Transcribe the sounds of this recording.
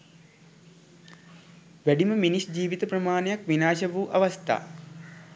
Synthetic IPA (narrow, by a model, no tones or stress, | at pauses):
ʋæɖiməminisd͡ʒiːʋit̪əprɐmaːnejakʋinaːʃɐʋuːʔaʋast̪a̰ː